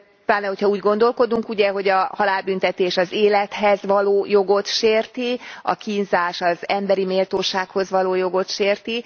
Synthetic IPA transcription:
t̪aːnɛɦo̞chɒuːɟɡo̞nd̪o̞lko̞d̪uŋkuɟɛɦo̞ɟɒhɒlaːlbynt̪ɛt̪eːʃɒzeːlɛt̪hɛzʋɒloːjo̞ɡo̞t̪ʃeːrt̪iɒ̰kiːnzaːʃɒzɛmbɛɾimeːlt̪oːʃaːkho̞zʋɒloːjo̞ɡo̞t̪ʃeːrt̪i

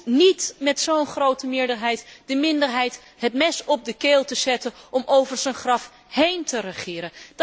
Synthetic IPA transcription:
nitmɛtsownχrowtəmɪːɹdəɹɦɛjtd̥əmɪndəɹɦɛjt | ɦətmɛsɔb̚dəkeːlˠtəz̥ɛtənʔɔmʔowvəɹzənχrɑf | hejntərəχɪːɾən

